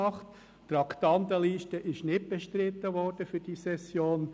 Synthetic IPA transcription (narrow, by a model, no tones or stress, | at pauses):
ɑχt | t̪rɑkt̪ɑnt̪əliːʃtəʔɪʃnɪt̚b̥ɛʃtɾɪt̪ːəʋɔɾd̥əfyd̥isɛsjoːn